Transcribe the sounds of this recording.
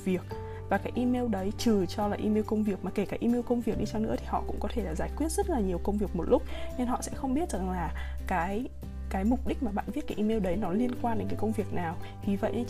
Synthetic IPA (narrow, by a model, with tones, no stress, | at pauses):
vi˨˩ək̚ | vaː˨˩kaː˨˦jʔi˧me˧wɗə˨˦jt͡ɕɨ˨˩t͡ɕɔ˧laː˨˩ʔi˧me˧wkə˧wŋ͡mvi˨˩ək̚maː˨˩ke˧˩kaː˨˦jʔi˧me˧wkə˧wŋ͡mvi˨˩ək̚ɗi˧t͡ɕɔ˧wnɨ̰˧˥t̪ʰi˨˩hɔ̰˧˨kʊ̰˧˥ŋ͡mkɔ˨˦t̪ʰe˧˩laː˨˩zaː˧˩jkwi˦˥ət̚z̥ə˦˥t̚laː˨˩ɲi˨˩əwkə˧wŋ͡mvi˨˩ək̚mo˨˩t̚lʊ˦˥k͡p̚ɲɨ˧nɦɔ̰˧˨sɛ̰˧˥xə˧wŋ͡mɓi˦˥ət̚za˨˩ŋlaː˨˩kaː˨˦j | kaː˨˦jmʊ˨˩k͡p̚ɗi˦˥k̟̚maː˨˩ɓa̰ː˧˨nvi˦˥t̚kaː˨˦ʔi˧me˧wɗə˨˦jnɔ˨˦li˧ənkwaː˧nɗe˨˦nkaː˨˦kə˧wŋ͡mvi˨˩ək̚naː˨˩w | vi˨˩və̰˧˨jʔ